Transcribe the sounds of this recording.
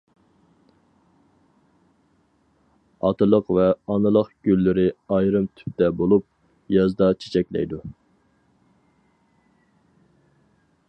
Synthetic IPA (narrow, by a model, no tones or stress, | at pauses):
ɑ̰t̪ʰɨlˠəqvɛɑnɨlˠəqɡ̥ʲylːɪɾɪɑjɾɨmt̪ʰy̥p̚t̪ɛbolˠup̚ | jɑzd̪ɑt͡ʃʰe̥t͡ʃʰɛkʲlɛ̰jd̪u